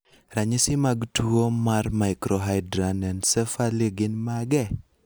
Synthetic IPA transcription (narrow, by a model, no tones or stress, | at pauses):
raɲɪsɪmaɡtuomarmaɪkɾɔɦaɪdɾanɛnsɛfaliɡɪnmaɡɛ